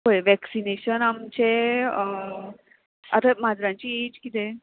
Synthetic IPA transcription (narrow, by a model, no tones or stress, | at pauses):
ɦojʋɛksineɕənamt͡ɕe | at̪amad͡zɾãɲt͡ɕied͡ʑkit̪e